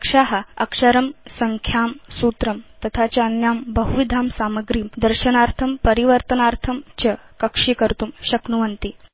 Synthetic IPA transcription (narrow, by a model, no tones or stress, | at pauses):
kʂaɦəɐkʂəɾɐmsəŋkʰjaːmsuːt̪ɾɐmt̪ɐt̪ʰat͡ɕaənjambəɦuʋid̪ʱaːmsaməɡɾiːmd̪əɾɕənaɾt̪ʰɐmpəɾiʋəɾt̪ənaɾt̪ʰɐmt͡ɕəkɐkʂikəɾt̪uːmɕɐknuʋənt̪iː